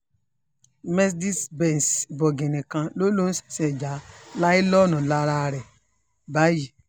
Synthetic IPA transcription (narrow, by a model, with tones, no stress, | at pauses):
me˦sdi˦sbe˨n˨sbo˨ɡe˨ni˨kã˦lo˦lo˦n̩˦se̥˨se˨d͡ʒa˨˦la˦i˦lɔ˦nʊ˨la˦ɾa˦˨ɾe˨ | ba˦ji˨